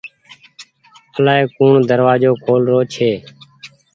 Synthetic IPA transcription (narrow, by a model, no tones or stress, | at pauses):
əlaːeːkuːɳd̪əɾʋaːd͡ʒoːkʰoːlɾoːt͡ʃʰeː